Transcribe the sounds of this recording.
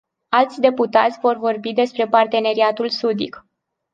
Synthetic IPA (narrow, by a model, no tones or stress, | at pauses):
alt̪sʲd̪e̞put̪at̪sʲvo̞rvo̞rbid̪e̞spɾe̞part̪e̞ne̞ɾiat̪ulsud̪ḭk